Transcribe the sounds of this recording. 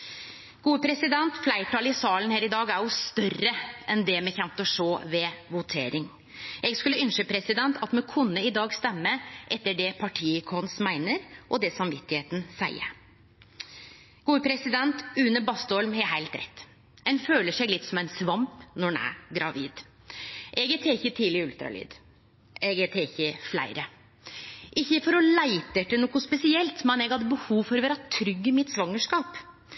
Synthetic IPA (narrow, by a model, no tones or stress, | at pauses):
ɡ̥uːəpʰɾɛsɪd̪ɛnt̪flæɪʈʰɑːlɪsɑːlən̩heːɾɪd̪ɑːɡæjʊst̪œrəʔɛnd̪ɛmɛçɛnt̪ɔʂoːʋɛʋʊt̪ʰḛːɾɪŋ | ʔɛɡskʉlːəʏnʃəpʰɾɛsɪd̪ɛnt̪ʰɑt̪mɛkʰʊnːəɪd̪ɑːɡst̪ɛmːəʔɛt̪ːəɖɛpʰɑʈʰiːɪkʰɔnsmæɪnəɾʔɔd̪ɛsɑmʋɪt̪ːɪheːt̪n̩sæ̰ɪə̰ | ɡ̥uːəpʰɾɛsɪd̪ɛnt̪ʉːnəbɑst̪ɔlmhɛhæɪlt̪ɾɛ̰t̪ː | ɛnføːləʂɛɡlɪt̪ːsɔmæɪnsʋɑmpnɔɳæ̰ɡɾɑʋḭːd̪ | ʔɛɡɛt̪ʰeːɪçːət̪ʰiːlɪʉlt̪ɾɑ̰ly̰ːd̪ | ɛɡɛt̪ʰeːɪçːəflæ̰ɪɾə | ʔɪçːəfɔɾɔlæɪt̪əʈənɔkʊspɛsɪɛlt̪mɛnɛɡhɑd̪ːəbəhuːʋfɔɾɔʋæːɾɑt̪ʰɾʏɡːəmɪt̪sʋɑŋːəʂkɑːp